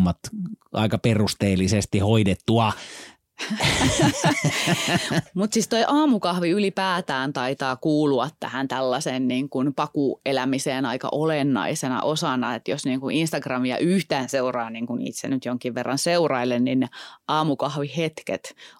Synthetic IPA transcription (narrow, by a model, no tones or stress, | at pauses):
mːɑt̪ʔɑ̰ikɑperust̪eːlːisest̪ihoidet̪ːuɑ | mut̪sist̪oiʔɑːmukɑhʋiylipæːt̪æːnt̪ɑit̪ɑːkuːluɑt̪tæ̰hænt̪ælːɑsenniːŋkunpɑkuelæmiseːnɑikɑ̰ʔolenːɑ̰isenɑ̰ʔosɑnɑet̪josniːŋkuʔinst̪ɑɡrɑmiɑ̰ʔyht̪æːnseurɑːniːŋkunḭːt̪sḛnyt̪joŋkiʋʋerːɑnseurɑilenninneɑːmukɑhʋihet̪kḛt̪